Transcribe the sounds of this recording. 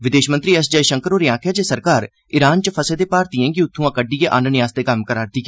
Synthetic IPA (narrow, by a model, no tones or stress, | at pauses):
ʋɪd̪eːʃmənt̪ɾiːɛsd͡ʒəiʃəŋkəɾoːɾɪãːkʰjaːd͡ʒeːsəɾkaːɾ | ɪɾaːnt͡ʃəpʰəseːd̪eːpaːɾt̪ɪjɛ̃ːɡiʊt̪ʰːũːãːkəɖijeːʔaːnənɪjaːst̪eːkəmkəɾaːɾd̪iːkː